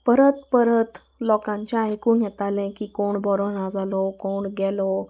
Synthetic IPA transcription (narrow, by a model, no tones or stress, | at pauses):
pəɾət̪pəɾət̪ | lɔkãɲt͡ɕjaajkũɡʱɛt̪alɛ̃kikoɳbʱɔɾɔnãd͡zalɔkoɳɡɛlɔ